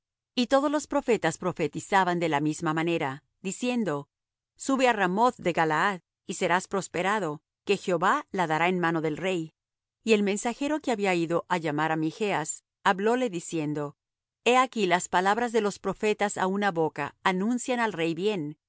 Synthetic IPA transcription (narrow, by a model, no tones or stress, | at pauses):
it̪o̞ð̞o̞zlo̞spɾo̞fe̞t̪aspɾo̞fe̞t̪isaβand̪e̞lamizmamane̞ɾa | d̪isje̞nd̪o̞ | suβearamo̞θðe̞ɣalaað | ise̞ɾaspɾo̞spe̞ɾaðo | ke̞xeo̞βalaðaɾaenmano̞ðe̞lre̞j | ie̞lme̞nsaxe̞ɾo̞keaβiaiðo̞ʔaʝamaɾamixe̞as | aβlo̞le̞ðisje̞nd̪o̞ | e̞akilaspalaβɾazðe̞lo̞spɾo̞fe̞t̪asa̰unaβo̞ka̰ːnũnsjanalre̞jbje̞n